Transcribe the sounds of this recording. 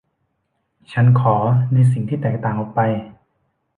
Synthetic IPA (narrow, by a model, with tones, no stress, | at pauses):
t͡ɕʰa˦˥nkʰɔː˩˦nɯː˧s̬i˨˩ŋt̪ʰiː˥˩t̪ɛː˨˩k̚t̪aː˨˩ŋʔɔː˨˩k̚pa˧j